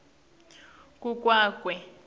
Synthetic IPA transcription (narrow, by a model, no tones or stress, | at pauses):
kʼuk̬ʼwaːkʼwɛ